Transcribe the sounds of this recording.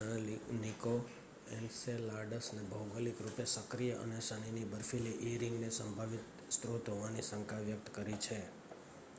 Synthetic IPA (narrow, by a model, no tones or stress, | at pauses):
lniko | enselaɾɖəsnebʱəwɡəlikɾupesəkɾijəʔə̰neʃəɽ̃inibəɾfiliʔeɾĩŋɡnesəmbʱaʋit̪ | st̪ɾot̪ɦoʋanisə̃ŋkaʋjək̚t̪kəɾit͡ʃʰe